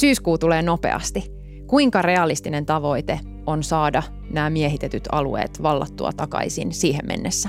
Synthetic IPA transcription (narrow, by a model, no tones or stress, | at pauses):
syːskuːt̪uleːno̞pe̞̰ɑ̰st̪i | kuiŋkɑre̞ɑlist̪ine̞nt̪ɑʋo̞it̪e | o̞nsɑːdɑ | næːmie̞ɦit̪et̪yt̪ɑ̰lṵe̞̰ːt̪ʋɑlːɑ̰t̪ːṵɑ̰t̪ɑkɑ̰isḭnsiːɦemmḛnːesːæ